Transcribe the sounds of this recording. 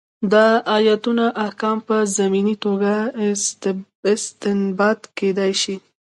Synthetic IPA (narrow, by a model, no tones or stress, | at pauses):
d̪aʔajat̪unaʔahkɑmpəzaminit̪oɡa | ɪst̪ɪnbɑt̪ked̪ajʃi